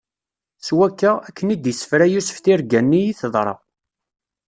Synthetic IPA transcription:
swækːəækːənid̪jəsə̥fɾæjusə̥fθiɾɡænːijiθəðˤɾˤɑ̰

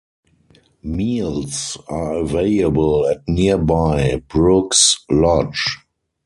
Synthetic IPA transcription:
miːlsaəveɪləbəlætniəbaɪbɹʊkslɔd͡ʒ

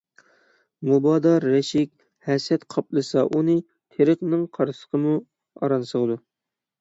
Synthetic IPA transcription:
mubɑːd̪ɑɾːɛʃɪkʲ | hɛsɛt̪qʰɑplˠɨsɑʔunɨ | t̪ʰeɾəχnɨŋqʰɑɾsə̥qʰəmu | ɑ̰ɾɑnsəʁd̪u

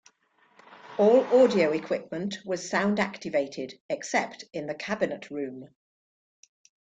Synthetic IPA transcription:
ɔːlɔːdiəʊɪkʰw̥ɪp̚mə̃nʔwɒz̥sãʊ̃ndaktɪveɪtʰɪdɛksɛptɪ̃nðəkʰabɪnəʔɹʉ̃ːm

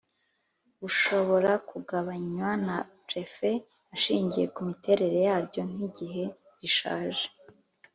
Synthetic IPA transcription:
uʃo̞βo̞ɾakuɡaβaɲwanapɾe̞fe̞ | aʃiːɲɟije̞kumite̞ɾe̞ɾe̞jaːɾɟo̞n̥iɟiɦe̞ | ɟiʃa̰ːʒe

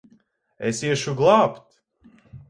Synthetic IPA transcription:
esiɛʃuɡlˠaːpt̪

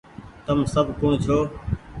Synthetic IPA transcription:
t̪əmsəbʱkõːt͡ʃʰoː

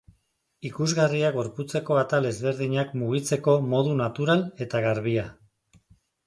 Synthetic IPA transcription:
ikuzɣariaɣo̞ɾput͡se̞ko̞at̪ale̞zβe̞ɾðiɲakmuɣ̞it͡se̞ko̞mo̞ðunat̪uɾale̞t̪aɣaɾβia

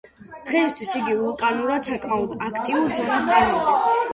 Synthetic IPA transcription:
d̪̥ʁɛist̪ʰwisiɡivulˠkʼanuɾad̪sakʼmaɔd̪akʰt̪ʼiuɾzʁast̪sʼaɾmɔɔd̪ɛs

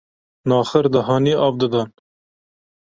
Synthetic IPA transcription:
nɑːxəɾd̪ɐɦɑːniːʔɑːvd̪ɨd̪ɑːn

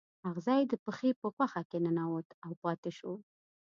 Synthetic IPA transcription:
aɣzɑjd̪əpəxepəxwaxakenənawot̪awpɑt̪ɪʃo

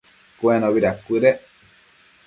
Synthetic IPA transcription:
kuẽnõβiɾakɨɾe

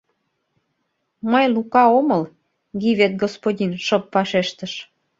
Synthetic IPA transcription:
məjlukɑoməl | ɡiβet̪̚ɡospodʲinʃɤpːɑʃeʃt̪əʃ

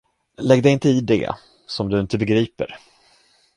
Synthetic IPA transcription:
lɛɡd̪ɛjɪnt̪əɪd̪ɛ̰ | sɔmd̪ɵɪnt̪əbɛɡɾiːpə̰ɾ

